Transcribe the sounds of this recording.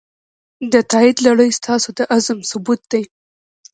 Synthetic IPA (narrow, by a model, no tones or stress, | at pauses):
d̪ət̪ɑɪd̪laɽəjst̪ɑsod̪əʔazmsʊbut̪̚d̪aj